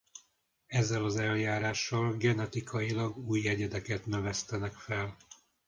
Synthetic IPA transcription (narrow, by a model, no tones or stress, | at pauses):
ɛzːɛlɒzɛljaːɾaːʃːɒlɡɛnɛt̪ikʰɒjilɒɡuːjɛɟɛd̪ɛkɛt̪nø̞vɛst̪ɛnɛkfɛl